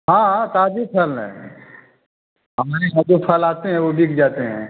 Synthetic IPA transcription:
ɦãːɦãt̪aːd͡ʒipʰɐln̰ | ɦɐmaːɾeɦɐd̪upʰəlaːt̪eɦɛ̃ʋobʱikʰd͡ʒaːt̪eɦɛ̰̃ː

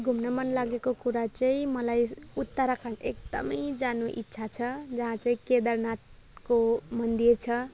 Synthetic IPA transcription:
ɡʱumnʌmʌnlaɡekokuɾat͡saĩmʌlajut̪ːəɾakʰanek̚d̪ʌ̰mʌjd͡zanuʔḭtːsʰat͡sʰʌd͡zʌɦãt͡saĩked̪ʌɾnat̪̚ | komʌnd̪irt͡sʰʌ

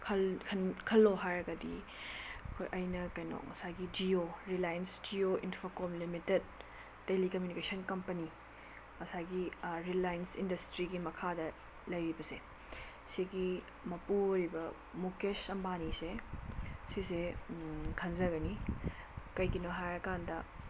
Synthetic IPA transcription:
kʰɐlkʰɐnkʰɐlːoɦajɾɐɡɐdḭ | ɐkʰo̰jʔɐjnɐkɐjno̰k̚ŋɐsajɡid͡ʒioɾilajnsd͡ʒioʔinpʰokomlimited̚ː | elikɐmjunikesɐnkɐmpɐni | ŋɐsaɡiɾilajnsindɐstɾiɡimɐkʰadɐ | lɐjɾibɐse | siɡi | mɐpuoɾibɐ | mukesɐmbanise | sise | kʰɐnzɐɡɐni | kɐjkinoɦajɾɐkandɐ

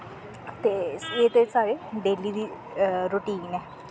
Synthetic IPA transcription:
t̪eːseːt̪eɪsaːʋeːɖeːliːd̪iː | ɾoːʈiːnɛː

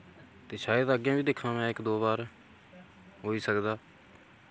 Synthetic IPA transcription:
t̪eːʃaːjəd̪əɡjãːbiːd̪eːkʰːãːmɛ̃ːɪkd̪oːbaːɾ | ɦoːiːsəkd̪aː

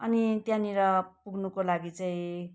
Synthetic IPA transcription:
ʌnit̪jãniɾʌpuɡnukolaɡit͡saĩ

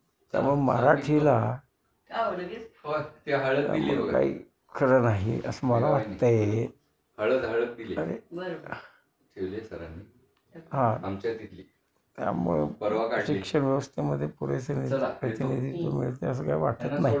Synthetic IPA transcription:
t̪ja̰m̤uɡma̰ɾaʈʰiʋla | t̪aɦəɭət̪ja̰mə̰ɡka̰ḭː | kʰəɾənaɦiʔə̰səməlaʋaʈt̪əe | həɭəd̪ʱaɭək̪̚d̪ileəɾe | ʈʰeʋlesəɾanːi | ɦãamt͡ɕat̪it̪li | t̪ja̰mə̰ɡpəɾʋakasikʂəɳʋjəʋəst̪ʰeməd̪ʱːjepuɾesənipɾət̪inid̪ʱit̪omiɭt̪eəs̬əkaiʋaʈət̪naɦi

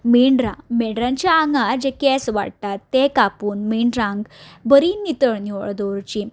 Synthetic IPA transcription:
meɳɖɾã̰meɳɖɾãɲt͡ɕjaːŋɡad͡ʑekɛsʋa̰ɽt̪at̪ːekapuːnmeɳɖɾãŋɡbəɾinit̪əɭniə̰ɭd̪oɾt͡ɕi

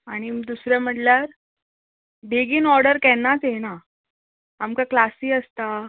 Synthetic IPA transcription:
aɽ̃id̪usɾjam̤əʈljaɾ | ɖeɡiːnɔɾɽəɾkɛnːat͡sjena | amkaklasiːəst̪a

